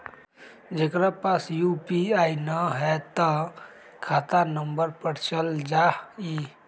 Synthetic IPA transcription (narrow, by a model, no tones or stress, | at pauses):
d͡ʒekɾapasjupiaːinəɦɛt̪ə | kʰaːt̪anəmbəɾpəɽt͡ʃəld͡ʒai